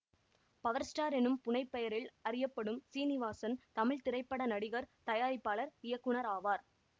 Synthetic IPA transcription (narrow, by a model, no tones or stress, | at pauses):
pɐʋɐɾsʈaːɾɛnɯmpʊnɐɪpːɐjɐɾɪlɐɾɪjɐpːɐɽɯmsiːnɪʋaːsɐnt̪ɐmɪɭt̪ɪɾɐɪpːɐɽɐnɐɽɪɣɐɾt̪ɐjaːɾɪpːaːɭɐɾɪjɐkːɯɳɐɾaːʋaːɾ